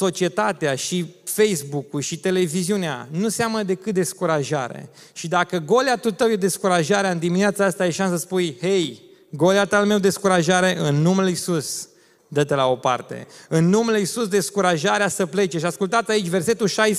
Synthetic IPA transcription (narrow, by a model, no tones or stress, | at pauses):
so̞t͡ʃie̞t̪at̪eaʃifejsbukulʃit̪e̞le̞viziunea̰nuseamnəd̪e̞kɨt̪̚d̪e̞skuɾaʒaɾḛ | ʃid̪akəɡo̞leat̪ut̪əwjed̪e̞skuɾaʒaɾeaɨnd̪imineat̪saast̪ajeʃansəsəspujhej | ɡo̞leat̪almewd̪e̞skuɾaʒaɾe̞ʔɨnːumelisus | d̪ət̪elao̞pa̰rt̪e̞̰ɨnːumelisusd̪e̞skuɾaʒaɾeasəple̞t͡ʃeʃaskult̪at̪sʲait͡ʃʲve̞rse̞t̪ulʃajs